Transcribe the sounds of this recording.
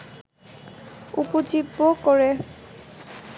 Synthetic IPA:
upod͡ʑibːokɔɹe

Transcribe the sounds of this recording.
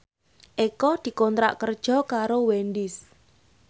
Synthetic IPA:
ʔekɔd̪̥i̤kɔnt̪ɾa̰ʔkərd̥ʒ̥ɔ̤kaɾowenɖɪs

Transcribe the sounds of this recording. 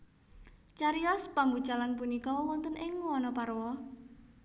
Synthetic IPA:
t͡ʃaɾiɔspaŋbu̥t͡ʃalanpunikɔwɔnt̪ənɪŋwɔnɔpaɾwɔ

